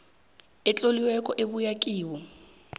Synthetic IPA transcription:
ɛt͡ɬʼoliwɛkʼɔʔeβujakʼiːwɔ

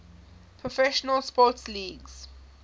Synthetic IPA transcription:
pʰɹɔfɛʃɔnəlspɔtsliːɡz̥

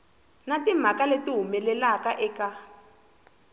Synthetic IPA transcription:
natim̤akaletiɦumɛlɛlakaʔɛka

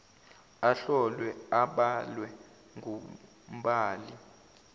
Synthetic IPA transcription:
aɬɔlwɛaɓalwɛ | ŋʱu | m̩ɓaːli

